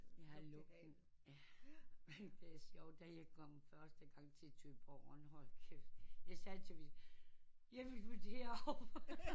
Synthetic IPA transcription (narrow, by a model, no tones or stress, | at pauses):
jɑhɑlɔɡ̥̚d̥n̩ | jæmend̥e̝æɐsjɒʊd̥æjɑ̈ɪkʰɒm̰fɶɐsd̥əɡ̥ɑ̈ŋ̰t͡sʰe̝æt͡sʰøb̥ɒʊ̰ɒnhɒl̰kʰejɑ̈ɪsɛðt͡sʰeʋi | jeʋi̥ʋut͡sʰeɐɒ